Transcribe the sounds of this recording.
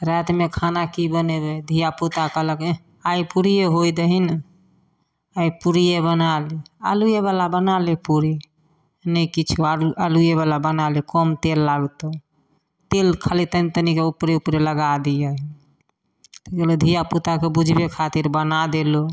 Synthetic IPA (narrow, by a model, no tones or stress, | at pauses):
ɾɛt̪mekʰanakibənebed̪ʱijaput̪akələke | aipuɾijeɦoid̪əɦin | aipuɾijebənalia̰lujeβalabənalepuɾi | nəkit͡ʃʰkoaalujeβalabənalikɔmt̪elːalt̪o | t̪elkʰəlit̪ənit̪ənikeupɾeupɾeləɡad̪ijəɦi | keled̪ʱijaput̪akebud͡ʒʱbekʰat̪iɾbənad̪elo